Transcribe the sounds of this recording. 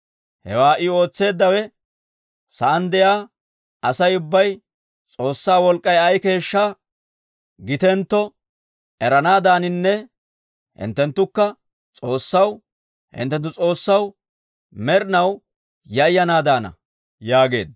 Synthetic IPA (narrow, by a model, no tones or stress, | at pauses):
hɛ̰waːʔɪo̞ːt͡sːe̞ːd̪ːɐwɛ | sɐʔɐnd̪ɛjaː | ɐsɐjʊbːɐj | t͡sʼo̞ːsːaːwɔlkʼːɐjɐjke̞ːʃːaː | ɡɪt̪ɛnt̪ːɔ | ʔɛɾɐnaːd̪aːnɪnːɛ | hɪ̰nt̪ːɛnt̪ːʊkːɐ | t͡sʼo̞ːsːɐw | hɪ̰nt̪ːɛnt̪ːʊt͡sʼo̞ːsːɐw | mɛɾɪnɐw | jɐɪjːɐnaːd̪aːnɐ̰ | jaːɡe̞ːd̪̚